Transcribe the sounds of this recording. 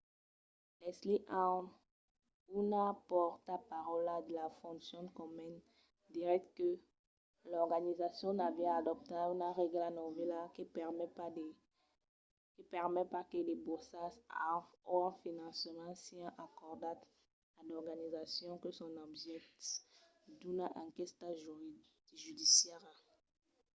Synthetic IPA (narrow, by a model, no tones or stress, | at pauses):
lɛsliʔa | unapɔʁt̪apaʁɔlad̪əlafɔ̃sjɔ̃kɔmyn | d̪iʁɛk̚t̪kə | lɔʁɡanizasjɔ̃navjɛ̃ad̪ɔp̚t̪aunaʁeɡlanɔvilakipɛʁmɛpa | kipɛʁmɛpaked̪ebusasaɔɛ̃finɑ̃smɑ̃siɛ̃ʔakɔʁd̪at̪ | adɔʁɡanizasjɔ̃kəsɔ̃nɔbʒɛkt̪ | d̪unaʔãkɛst̪aʒ | ʒyd̪isjɛʁa